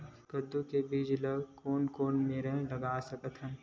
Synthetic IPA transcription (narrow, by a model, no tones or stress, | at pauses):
kəd̪ːukebiːd͡ʒləɡkoːnkoːnmeːɾẽlɐɡaːsɐkət̪ɦən